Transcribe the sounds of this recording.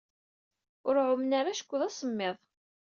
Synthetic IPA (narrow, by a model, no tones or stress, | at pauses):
ʊɾʕʊmnaɾaʃə̥kʷːðɑsˤəmːeðˤ